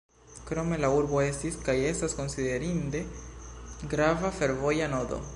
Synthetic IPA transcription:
kɾomelauɾβoesiskajesaskonsiðeɾind̪e | ɡɾavafeɾvojanoðo̰

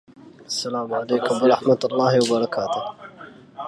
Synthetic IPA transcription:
ʔasːalaːmʕaleːkʊmbɑɾˤɑħmat̪ɑlˤːɑːhwɑbɑɾˤɑkʰaːt̪ʊh

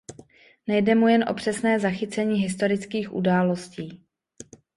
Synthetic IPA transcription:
nɛjdɛmujɛnʔo̞̰pr̝̥ɛsnɛːzaxɪt͡sɛɲiːɦɪst̪o̞ɾɪt͡skiːxʔṵdaːlo̞sciː

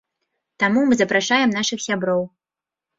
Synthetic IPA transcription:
t̪amumɨzɐpɾaʂajɛmnaʂɨxsʲabɾɔw

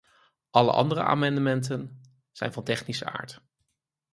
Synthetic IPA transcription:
ʔɑlə̰ʔɑ̰ndərə̰ʔa̰ːmɑndəmɛntən | z̥ɛ̰jnvɑntɛχnisəa̰ːɹt

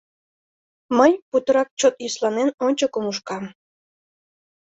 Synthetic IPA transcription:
məjput̪əɾɑk̚t͡ɕot̪jyslɑnenonʲt͡ɕokomuʃkɑm

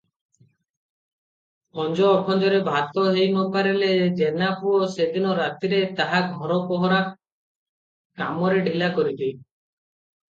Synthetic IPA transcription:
ɔnd͡ʒɔːkʰɔnd͡ʒɔɾebʱat̪ɔɦejnɔpaɾeled͡ʒenapuɔsed̪inɔɾat̪iɾet̪aɦaɡʱɔɾɔpɔɦɔɾa | ka̰mɔɾeɖʱilakɔɾit̪i

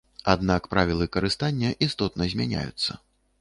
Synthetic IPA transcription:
ad̪nakpɾavʲilˠɨkɐɾɨst̪anʲːɐʔist̪ɔt̪̚nɐzʲmʲanʲa̰jṵt̪sːɐ̰

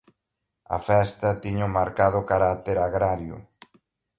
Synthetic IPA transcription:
ɐ̰fɛst̪ɐt̪iɲʊmaɾkaðʊkaɾat̪eɾaɣɾaɾjʊ̰

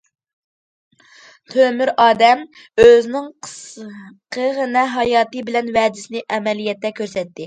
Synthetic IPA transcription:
t̪ʰømyɾɑːd̪ɛm | øznɪŋ | qʰəʁənɛɦɑjɑːt̪ɨbɪlɛnvɛd̪ɪsɪnɪʔɛmɛlijɛt̪ːɛkʲʰøɾsɛt̪ːɪ

